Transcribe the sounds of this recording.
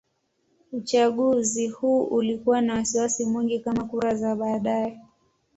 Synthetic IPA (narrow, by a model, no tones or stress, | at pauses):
ut͡ʃaɠuzihuːʔulikuwanawasiwasimwiŋɡikamakuɾazaɓaːɗaɛ